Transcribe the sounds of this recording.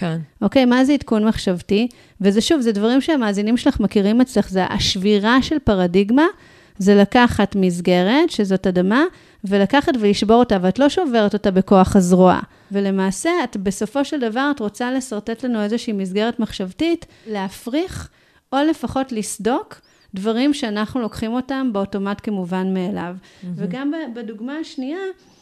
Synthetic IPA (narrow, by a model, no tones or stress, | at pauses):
keno̞ke̞jmazeitkunmaχʃavti | vezeʃuvzedvaʁimʃeamaːzinimʃelaχmakiʁimet͡sleχzeʔa̰ʃviʁaʃe̞lpaʁadiɡma | zelakaχatmizɡe̞ʁe̞tʃezo̞tadama | velakaχatveliʃbo̞ʁotaveatlo̞ʃo̞ve̞ʁeto̞tabe̞ko̞aχazʁoa̰ | vele̞maːse̞atbe̞so̞fo̞ʃe̞ldavaʁatʁo̞t͡sale̞saʁte̞tlanue̞zeʃiːmizɡe̞ʁetmaχʃavtit | leafʁiχ | o̞le̞faχo̞tlisdo̞k | dvaʁimʃeanaχnulo̞kχimo̞tambeoto̞matke̞muvanmeːla̰vveɡambabeduɡmaːʃnia